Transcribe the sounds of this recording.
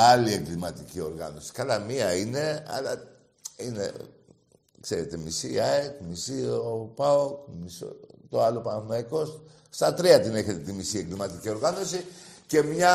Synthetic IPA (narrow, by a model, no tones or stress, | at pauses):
ɐlie̞ŋɡlimɐt̪icio̞ɾɣɐ̰no̞si̥kɐlɐmiɐine̞ɐ̰lɐ | inḛ | kseɾet̪e̞misiɐekmisiopaokmiso̰t̪o̞ɐlo̞pɐnɐθmɐjko̞st̪ | st̪ɐt̪ɾiɐt̪ine̞çe̞t̪e̞t̪imisie̞ŋɡlimɐt̪icio̞ɾɣɐno̞sice̞mɲɐ